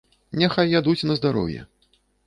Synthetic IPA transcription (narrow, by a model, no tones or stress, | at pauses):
nʲɛxajːad̪ut͡sʲnɐzd̪aɾɔ̰wjɛ̰